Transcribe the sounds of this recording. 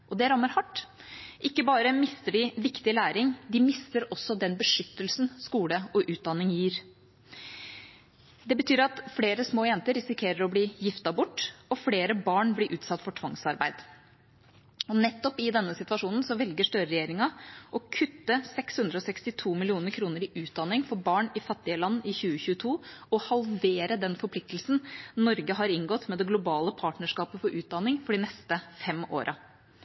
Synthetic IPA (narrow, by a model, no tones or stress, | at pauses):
ʔɔd̪ɛæɾœmːəɾhɑʈːʔɪkːəbɑːɾəmɪst̪əɖɪʋɪkt̪ɪlæːɾɪŋd̪ɪmɪst̪əɾɔsːɔd̪ɛnbəʂʏt̪ːəlsn̩skuːləɔʔʉːt̪̚d̪ɑnːɪŋjiːɾ | d̪ɛbət̪ʰyːɾɑt̪fleːɾəsmoːjɛnt̪əɾːɪsɪkʰeːɾəɾɔbliːjɪft̪ɑbʊʈːɔfleːɾəbɑːɳbliːʔʉːt̪sɑt̪ːfɔʈʰʋɑŋsɑɾbæ̰ɪd̪̥ | ɔnɛt̪ːɔpɪd̪ɛnːəsɪt̪ʋɑʂuːnn̩sɔʋɛlɡəʂʈ̪œɾəɾɛjeːɾɪŋɑʔɔkʰʉt̪ːəsɛkshʉnd̪ɾəɔsɛkst̪ɪt̪ʰuːmɪlɪuːnəɾkʰɾuːnəɾɪʔʉːt̪̚d̪ɑnːɪŋfɔɾbɑːɳɪfɑt̪ːɪəlɑnːɪçʉːəçʉːət̪ʰuːɔhɑlʋeːɾəd̪ɛnfɔɾpʰlɪk̚t̪əl̩sn̩nɔɾɡəɦɑɾɪŋɡɔt̪ːmɛd̪ɛɡlʊbɑːləpʰɑːʈɳəʂkɑːpəfɔɾʔʉːt̪̚d̪ɑnːɪŋfɔɖɪnɛst̪əfɛmo̰ːɾʔɑ